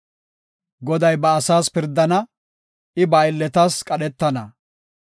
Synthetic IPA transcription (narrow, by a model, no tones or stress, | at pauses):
ɡɔd̪ɐjbɐːsaːspɪɾd̪ːɐnɐ | ʔɪbɐjɪlːɛt̪aːskʼɐɗɛt̪ːɐnɐ